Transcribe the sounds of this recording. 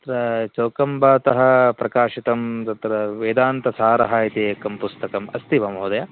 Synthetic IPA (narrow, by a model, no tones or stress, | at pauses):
ɐɐt̪ɾɐt͡ʃoːkɐmbaːt̪ɐɦɐ̆pɾɐkaːʂit̪ɐmt̪ɐt̪ɾɐʋeːd̪aːnt̪ɐsaːɾɐɦaːit̪eːɐkɐmpust̪ɐkɐmɐst̪iʋɐmɦɐːd̪ɐja